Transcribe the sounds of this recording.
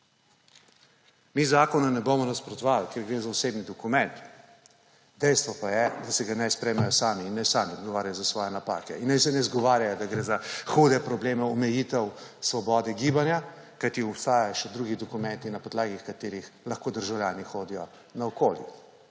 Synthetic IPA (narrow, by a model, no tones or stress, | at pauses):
mizaːkɔnunɛbomɔnaspɾɔt̪ɔʋalkeːɾɡɾezaɔseːbnid̪ɔkumɛnt̪ | d̪ɛjst̪ʋɔpajɛd̪asɛɡanɛjspɾɛjmajɔsaːmiːnːɛsaːmiɔd̪ɡɔʋaːɾjajɔzasʋɔːjɛnapa̰ːkɛ̰inːajsɛnɛzɡɔʋaːɾjajɔd̪aɡɾeːzaxud̪ɛpɾɔbleːmɛɔmɛjit̪ɛwsʋɔbɔːd̪ɛɡiːbanja | kajt̪iɔpst̪aːjajɔʃɛd̪ɾuɡid̪ɔkumɛnt̪inapɔd̪laːɡixkat̪eːɾixlɐxkoːd̪əɾʒawlʲjaːnixoːd̪ijɔ | naɔkoːljḭ